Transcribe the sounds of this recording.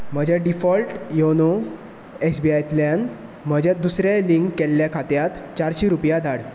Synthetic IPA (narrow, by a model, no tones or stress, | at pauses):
m̤əd͡ʑʱjaɖifɔlʈjono | esbiajt̪ljan | m̤əd͡ʑʱjad̪usɾjaliŋkkɛlːjakʰat̪jat̪t͡ɕaɾɕiɾupjad̪ʱaɽ